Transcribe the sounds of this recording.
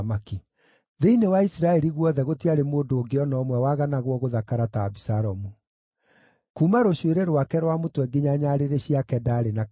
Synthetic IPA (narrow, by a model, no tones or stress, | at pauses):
maki | ðeinewaisiɾaɛɾiɣwɔðɛɣotiaɾemoːndoːɡeɔnɔmwɛwaɣanaɣwɔɣoðakaɾataːβisaɾɔmu | kumaɾoɕweɾeɾwakɛɾwamotwɛɡeɲaɲaɾeɾeɕiakɛdaɾena